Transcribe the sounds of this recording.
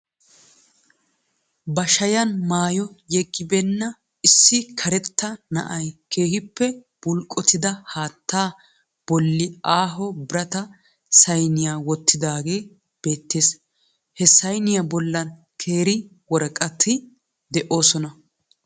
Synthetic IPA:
bɐʃɐjɐnmaːjɔjɛɡʼːɪbɛnːɐ | ɪsːɪkʰɐɾɛt̪ːɐnɐ̰ʔɐjkʰe̞ːhɪpːɛ | b̥ʊlkʼːɔt̪ɪd̪ɐhaːt̪ːaː | b̥ɔlːɪaːɦɔbɪɾɐt̪ɐ | sɐjnɪjaːwɔt̪ːɪd̪aːɡe̞ː | b̥e̞ːt̪ːe̞ːs | hɛsɐjnɪjɐbɔlːɐn | kʰe̞ːɾɪ | wɔɾɐkʼɐt̪ʰːɪ | d̪ɛʔo̞ːsɔnɐ

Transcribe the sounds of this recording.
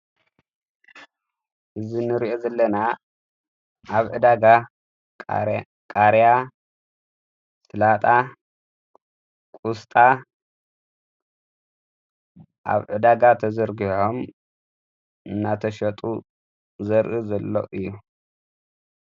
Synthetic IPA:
ʔɨzinɨɾiʔo̞zɐlːɐna | ʔaβʕɨd̪aɡa | kʼaɾja | sɨlat̪ʼa | kʼust̪ʼa | ʔa̰βʕɨd̪aɡat̪ʰɐzɐɾɡiħom | ʔɨnːat̪ʰɐʃɐt̪ʼu | zɐɾʔɨzɐlːo̰ʔɨjːu

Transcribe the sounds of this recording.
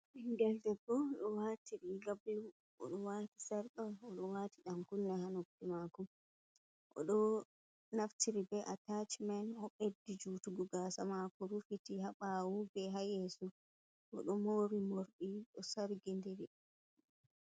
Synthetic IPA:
ɛŋɡɛldɛɡːɔɗɔwaːtiɾiɡablum | ʔɔ̰ɗɔwati̥saɾɗaɔɗɔwatiɗamkunːɛhanokːimakɔm | ʔɔ̰ɗɔ | naftiɾibɛʔatat͡ʃmanhɔɓedːid͡ʒutuɡuɡasamakɔɾufitihaɓawubɛɦajɛsu | kɔ̰ɗɔmoɾimoɾɗiɗɔsaɾɡindiɾi

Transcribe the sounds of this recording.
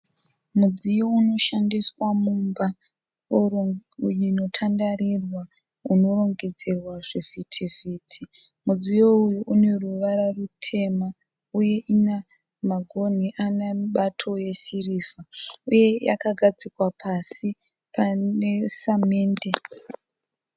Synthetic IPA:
mud͡zijouno̞ʃandiswamumba | jino̞tʰandarirwa | uno̞ro̞ŋɡe̞d͡zerwaʐevitʰiviːtʰi | mud͡zijo̞ujuʔune̞ruʋaɾarutʰe̞ma | uje̞ʔina | maɡʱo̞n̤iʔanaɓatʰo̞je̞siriːvauje̞ja̰kaɡʱad͡zikwapʰasi | panesameːnde

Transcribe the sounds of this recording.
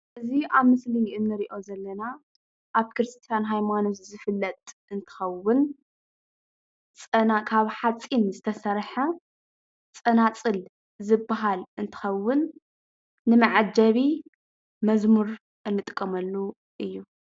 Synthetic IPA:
ʔɨziʔaβmɨsliɨnːɨɾiʔo̞zɐlːɐna | ʔaβkʰɨɾɨst̪ʰʼijanɦajmanoszɨfɨlːɐt̪ʼɨnt̪ʰɨ̥xɐwʊn | t͡sʼɐnakʰaβħat͡sʼːinzɨt̪ʰɐsɐɾħa | t͡sʼɐnat͡sʼɨl | zɨbːaɦalɨnt̪ʰɨ̥xɐwːʊnː | ɨmɐʕad͡ʒɐβi | mɐzmuɾ | ʔɨnːɨt̪ʼɨkʼːɐmɐlːu | ʔɨjːu

